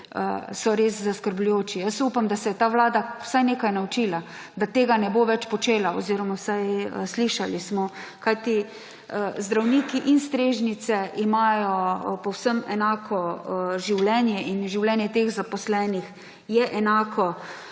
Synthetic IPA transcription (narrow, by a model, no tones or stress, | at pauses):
ə̰sɔɾeːszaskəɾblujoːt͡ʃijəsupamd̪asɛjɛt̪aːʋlaːd̪aw̥sajneːkajnaut͡ʃiːla | d̪at̪eːɡanɛboʋɛt͡ʃpɔt͡ʃeːlaɔ̰ziɾɔmawsajəsliʃalismɔkajt̪i | əzd̪ɾawniːkiʔinst̪ɾeːʒnit̪sɛʔimaːjɔpɔwsəmɛnaːkʰɔʒiwlɛnjɛʔinʒiwlɛnjɛt̪eːɣzapɔslɛːnix | jɛʔɛnaːkɔ